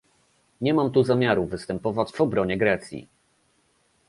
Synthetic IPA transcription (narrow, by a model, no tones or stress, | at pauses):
ɲɛmamt̪uzamʲjaɾuvɘst̪ɛmpɔvad͡ʑvɔbɾɔɲɛɡɾɛt̪sʲjḭ